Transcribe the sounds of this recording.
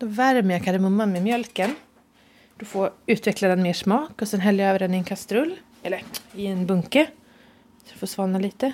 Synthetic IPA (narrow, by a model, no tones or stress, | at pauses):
d̪ɔvæɾməjakʰaɾəmɵmːanmɛmjœlkən | d̪̥ɔfoːʉ̟ːt̪vɛklad̪ɛnmeːʂmɑːkɔsɛnɦɛljəøːvəɾɖɛnɪɛnkʰast̪ɾɵlː | ɛlːəɾɪɛnbɵŋkə | sɔd̪ɵfoːsvɑːnaliːt̪ə